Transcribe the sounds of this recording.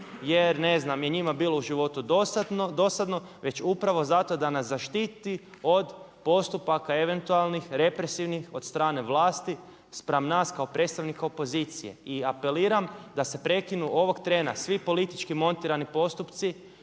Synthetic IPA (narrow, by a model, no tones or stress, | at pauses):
je̞ɾne̞znamje̞ɲimabiːlo̞uʒiʋo̞t̪ud̪osad̪nod̪o̞sad̪no̞ʋe̞t͡ʃupɾaʋo̞zat̪o̞d̪anaszaʃt̪it̪i | o̞d̪ | po̞st̪upakae̞ʋe̞nt̪ualˠnixɾe̞pɾe̞siʋnixo̞d̪st̪ɾaːne̞ʋlˠaːst̪i | spɾamnaːskao̞pɾe̞t̪st̪aʋnikaopo̞ziːt̪sije̞̰iape̞liːɾamd̪ase̞pɾe̞kinuʔo̞ʋo̞ɡt̪ɾe̞ːnasʋipo̞lit̪it͡ʃkimo̞nt̪iɾanipo̞st̪upt̪si